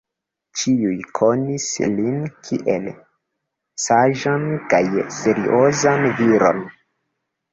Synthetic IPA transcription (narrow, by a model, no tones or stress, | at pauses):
t͡ʃiujkʰo̞nislinkʰiʔel | saʒankajse̞ɾḭʔozanviɾo̞̰n